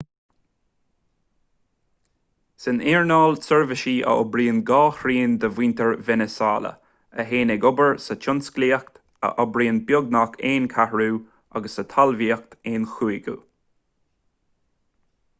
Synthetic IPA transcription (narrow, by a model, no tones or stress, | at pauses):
sɪniːɹnɑːlsəɹvəʃiːʔə̰ʔɔ̰bɾiːnɡɑːxɾiːnd̪əviːnt̪əɹvɛnəsɑːlə̰ | əɦeːnɛɡʊbəɹsət͡ʃʰʊnskliːəkt̪ | ə̰ʔɔbɾiːnbjʊɡ̚nakʰeːnkʰahɹuː | a̰ɡəsːət̪ʰalviːək̚t̪eːnxuːiɡṵ